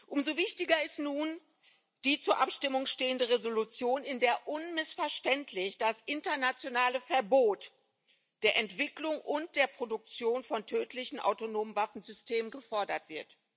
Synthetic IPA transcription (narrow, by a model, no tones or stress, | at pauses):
ʔʊmzovɪçtɪɡɐɪstnuːn | d̥iːt͡suːɐʔapʃtɪmʊŋʃteːəndəʁezolut͡sjoːnɪndeːɐʔʊnmɪsfɛɐʃtɛntʰlɪçd̥asʔɪntɐnat͡sjonaːləfɛɐboːt | d̥eːɐʔɛntv̥ɪklʊŋʔʊnt̚d̥eːɐpʁ̥odʊk̚t͡sjoːnfɔntʰøːtʰlɪçn̩ʔa̰ʊtonoːmənvafn̩zʏsteːmənɡəfɔɐdɐtv̥ɪɐt